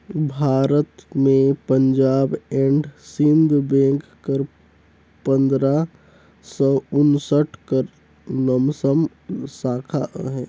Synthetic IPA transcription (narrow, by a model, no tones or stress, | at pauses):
bʱaːɾət̪mẽpəɲd͡ʒaːbeɳɖsɪ̃nd̪bẽːkkəɾ | pə̃nd̪ɾa | sɔʊnsəʈʰkəɾ | nəmsəm | saːkʰaɦɛː